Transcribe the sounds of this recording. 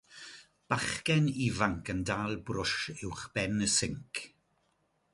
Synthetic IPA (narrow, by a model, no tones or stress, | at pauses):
b̥aχkɛnivaŋkʰəndaːlˠbrʊʃɪwχb̥ɛnəsɪŋkʰ